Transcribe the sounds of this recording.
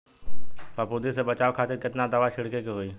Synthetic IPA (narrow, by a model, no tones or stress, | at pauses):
pəpʊd̪isebət͡ʃaːʋkʰaːt̪ɪɾkɪt̪nad̪əʋaʃɪɽkekeɦoiː